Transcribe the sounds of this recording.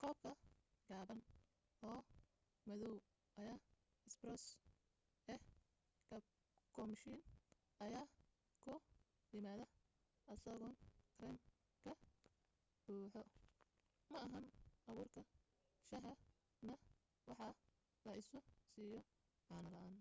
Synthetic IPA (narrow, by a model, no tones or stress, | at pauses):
kʰɔːb̚kʰɐɡaːβɐn | ɔː | mɐðɔw | ʔɐjaː | ɪsbrɔs | ɛ | kɐ | kʰɔmʃin | ɐjaː | kʰʊ | jɪmaːðɐ | ʔɐsɐɣɔnkʰɾɛm | kʰɐ | b̥uːħɔ | mɐɐɦɐnʔɐβuːrkʰɐ | ʃɐɦɐ | nɐ | wɑħɑ | lɐʔɪsʊsiːjɔ | ʕɑːnɐlɐʔaːn